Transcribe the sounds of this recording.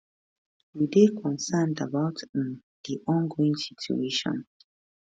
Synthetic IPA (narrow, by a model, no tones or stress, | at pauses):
widekʰɔ̃nsãndabaʊtn | diʔɔ̃nɡoĩŋsitʰjṵeʃɔ̰̃n